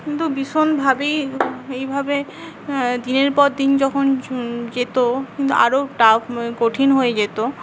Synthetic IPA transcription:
kint̪ubiʃonbʱabejejbʱabe | d̪ineɾpɔɾd̪ind͡ʑɔkʰond͡ʑet̪okint̪ṵa̰ɾoʈapkoʈʰinɦoed͡ʑet̪o

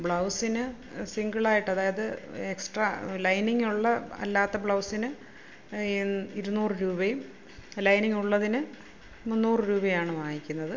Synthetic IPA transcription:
bɭɐwsinɨ | siŋɡɐɭaːjiʈːɐðaːjɐðɨeksʈrɐlɐjniŋːuɭːɐɐ̰lːaːt̪ːɐbɭɐwsinɨ | iɾunːuːrɨɾuːbɐjum | lɐjniŋːuɭːɐðinɨ | munːuːrɨɾuːbɐjaːɳɨʋaːjikʲːunːɐðɨ

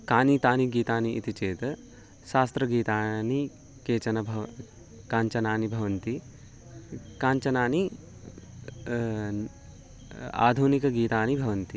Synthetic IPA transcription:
kaːnit̪aːniɡiːt̪aːniit̪it͡ʃeːt̪ɐ | ʃaːst̪ɾɐɡiːt̪aːni | keːt͡ʃɐnɐbʱɐʋ | kaːɲt͡ʃɐnaːnibʱɐʋɐnt̪i | kaːɲt͡ʃɐnaːni | a̰ːd̪ʱunikɐɡiːt̪aːnibʱɐʋɐnt̪i

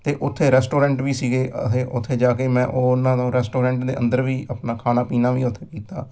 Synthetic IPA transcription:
t̪eːʔʊt̪ʰːeːɾɛːsʈoːɾɛ̃ːɳʈʋiːsiːɡeːət̪ʰeːʔʊt̪ʰːeːd͡ʒaːkeːmɛ̃ːʔoːnãːd̪õːɾɛːsʈoːɾɛ̃ːɳʈd̪ḛːʔə̰̃nd̪əɾʋiːəpnaːkʰaːnaːpiːnaːʋiːʊt̪ʰːeːkiːt̪aː

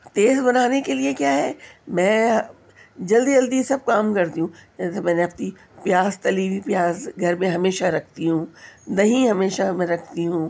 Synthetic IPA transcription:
t̪eːzbɐnaːnekeliekjaːɦɛːmɛ̃ːɦ | d͡ʒɐld̪id͡ʒɐld̪isɐb̚kaːmkɐɾt̪iɦũːɛsmɛ̃ːnẽɐpni | pjaːzt̪ɐlibipjaːzɡʱɐɾmẽɦɐmeːʃaɾɐkʰt̪iɦũːd̪ɐɦĩɦɐmeːʃamɛ̃ɾɐkʰt̪iɦũː

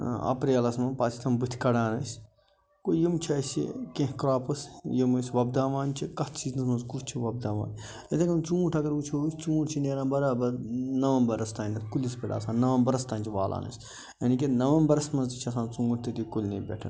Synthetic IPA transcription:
ɐ̰pɾiɐːlɐsmɐpaːt̪ʲʰi̥t̪ʰɐmbɨt̪ʲʰkɐɽaːnɐsʲ | kojimt͡ʃʰɐsʲḭkẽɦkɾaːpɐsjimɨsʲʋɐbd̪aːʋaːnt͡ʃʰikɐt̪ʰt͡ʃiːznɐsmɐnzkut͡ʃt͡ʃʰiʋɐb̚d̪aːʋa̰ːn | ɐt̪ʰekɐnt͡sũːʈʰɐɡɐɾut͡ʃʰoːsʲt͡sũːʈt͡ʃʰineːɾaːbɐɾaːbɐnɐʋɐmbɐɾɐst̪aːnʲɐt̪ʰkulʲispʲeɽa̰ːsãːnnːɐʋɐmbɐɾɐst̪aːnʲt͡ʃʰiʋaːlʔa̰ːnɐ̰sʲ | jɐnikʲenɐʋɐmbɐɾɐsmɐnzt̪t͡ʃʰiɐsãːnt͡sũːʈʰt̪it̪ikolʲnɐːbʲḛʈʰɐ̰n

